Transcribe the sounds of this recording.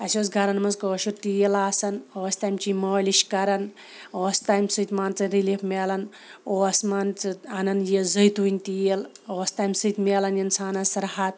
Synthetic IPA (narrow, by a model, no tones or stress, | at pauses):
ɐsʲoːsɡɐɾɐnmɐnzkəːʃuɾt̪ijelaːsɐnoːsʲt̪aːjmt͡ʃiməːliʃkɐɾɐn | oːsʲt̪aːjmsɨjt̪ʲmaːnt͡sɐnɾilifmʲeːlɐn | oːsmaːnt͡sɨɐnɐnjezəjt̪uinʲt̪ijeloːsʲt̪aːjmsɨjt̪ʲmʲeːlɐnjɐnt͡sʰaːnɐsɐɾhat̪̚